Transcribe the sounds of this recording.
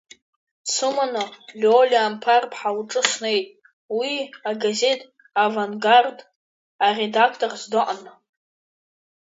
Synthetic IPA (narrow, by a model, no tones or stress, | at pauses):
t͡sʰɨmanalʲolʲampʰarpʰħawʈ͡ʂʼɨʂʷne̞jtʼ | wiaɡaze̞tʼ | avaŋɡard | are̞dakʰtʼorzdɨʔʼana